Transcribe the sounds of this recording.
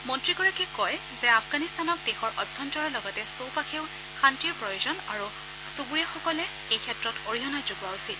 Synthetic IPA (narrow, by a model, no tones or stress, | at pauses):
mɔntɹiɡɔɹakɛkɔj | zɛapʰɡanistanɔk̚dexɔɹʔɔbʱɔntɔɹɔɹlɔɡɔtɛsowpakʰeʊ | xantiɹpɹɔjuzɔnaɹu | subuɹijaxɔkɔlɛ | ejkʰɛtɹɔtoɹijɔnajzʊɡuaʊsil